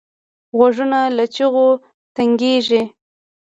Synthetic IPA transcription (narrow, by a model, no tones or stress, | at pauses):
ɣaʐunalat͡ʃiɣo | t̪aŋɡeʒi